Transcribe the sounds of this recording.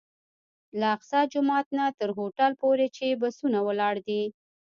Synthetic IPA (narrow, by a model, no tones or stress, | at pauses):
laːqsɑd͡ʒʊmɑt̪nat̪əɾɦoʈalpoɾet͡ʃebasunawəlɑɽd̪i